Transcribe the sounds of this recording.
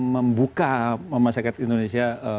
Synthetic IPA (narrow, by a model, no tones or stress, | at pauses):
məmbukaməmasakat̪indonesiaə